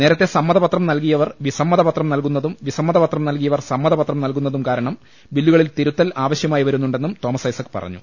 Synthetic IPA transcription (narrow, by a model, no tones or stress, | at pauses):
ne̞ːɾɐt̪ːe̞sɐmːɐðɐpɐt̪rɐmnɐlkijɐʋɐrʋisɐmːɐðɐpɐt̪rɐmnɐlkun̪ːɐðumʋisɐmːɐðɐpɐt̪rɐmnɐlkijɐʋɐrsɐmːɐðɐbɐt̪rɐmnɐlkunːɐðumkaːɾɐɳɐm | ʋilːuɣɐɭilt̪iɾut̪ːɐlaːʋɐɕjɐmaːjiʋɐɾunːuɳɖe̞nːumt̪o̞ːmɐsɐjsɐkːɨ̥pɐ̰rɐ̰ɲːṵ